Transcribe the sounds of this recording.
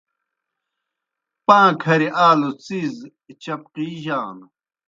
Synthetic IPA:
pãːkʰɐɾiʔaːlut͡siz | t͡ɕɐp̚qiʑaːnu

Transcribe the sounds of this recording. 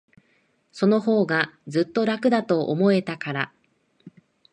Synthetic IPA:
so̞no̞ho̞ːɡad͡zɨt̪ːo̞ɾakɯ̟d̪at̪o̞ʔːmo̞e̞t̪akaɾa

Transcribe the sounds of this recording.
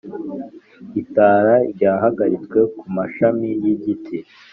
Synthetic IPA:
itaːɾaɾɟaːɦaɡaɾit͡swe̞kumaʃamijiɟitʰi

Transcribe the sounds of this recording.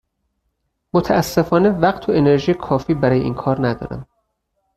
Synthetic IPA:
mot̪ʰææsːe̞fɒːnevæqt̪ʰoene̞ɾʒiːjekʰɒːfiːbæɾɒːjeḭːnkʰɒːɾnæd̪ɒ̰ːɾæ̰nd̪

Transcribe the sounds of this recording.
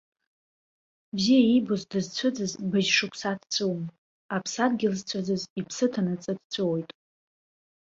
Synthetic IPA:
bziaibozdɨzt͡sʷʰʊd͡zɨzbɨʒʂɨkʷʰsatʰt͡sʰʷʼuwm | apʰsadɡʲɪlzt͡sʷʰad͡zɨzipʰsɨtʰanɨt͡sʼɨd̚t͡sʷʰʼowjtʼ

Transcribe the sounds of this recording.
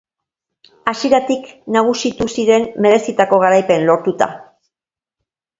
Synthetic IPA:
asjeɾat̪iknaɣ̞usit̪usiɾe̞nːe̞ðe̞sit̪ako̞ɣ̞aɾajpe̞nlo̞ɾt̪ut̪a̰

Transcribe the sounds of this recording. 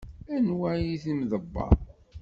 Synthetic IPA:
ænwæjiθimðəbːɑ̰ˤ

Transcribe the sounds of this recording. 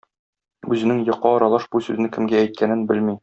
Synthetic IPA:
ʉzɘ̆nɘŋjɤ̆qːɑɒɾɑlˠɑʃbusʉzɘ̆nɘkɘ̆mɡæːjt̪̚kʰænɘnbɘlmi

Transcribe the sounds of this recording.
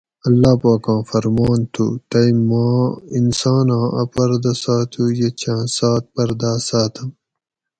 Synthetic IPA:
ɐlːaːpaːkãːfɐɾmaːnt̪ʰṵt̪ɐimãːinsaːnãːʔɐpɐɾd̪ɐsaːt̪ʰujet͡ɕʰãːsaːt̪̚pɐɾd̪aːsaːt̪ʰɐm

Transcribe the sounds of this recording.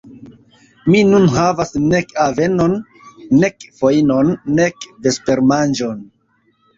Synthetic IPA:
minunɦavasne̞kave̞no̞nː | e̞kfoino̞nːekde̞spe̞ɾmand͡ʒo̞n

